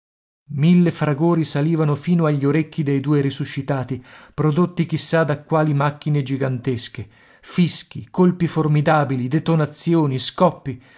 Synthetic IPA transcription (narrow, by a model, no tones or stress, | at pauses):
milːefɾaɡoːɾisaliːvanofiːnoaʎːoɾekːid̪ejd̪uːeɾisuʃːit̪aːt̪ipɾod̪ot̪ːik̟isːad̪akːwaːlimakːined͡ʒiɡant̪eske | fisk̟ikolpiformid̪aːbilid̪et̪onat̪sːjoːniskɔpːi